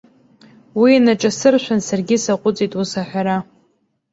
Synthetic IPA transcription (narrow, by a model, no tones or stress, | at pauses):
winaʈ͡ʂʼasɨrʃʷᶣansarɡʲɪsaqʷʼʊt͡sʼitʼusaħʷᶣaɾa